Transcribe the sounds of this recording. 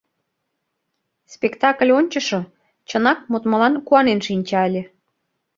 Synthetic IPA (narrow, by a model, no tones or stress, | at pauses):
spʲekt̪ɑklʲonʲt͡ɕə̆ʃo | t͡ɕənɑk̚mut̪mə̆lɑnkuɑnenʃinʲt͡ɕɑəlʲe